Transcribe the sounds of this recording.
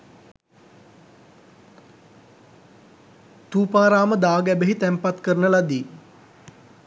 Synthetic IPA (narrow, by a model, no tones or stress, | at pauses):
t̪uːpaːɾaːməd̪aːɡæbeɦit̪æmpat̪kəɾənəlad̪iː